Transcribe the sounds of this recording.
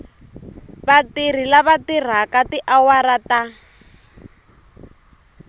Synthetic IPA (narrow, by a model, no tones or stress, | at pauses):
batir̤ilaβatir̤akatiʔawaɾata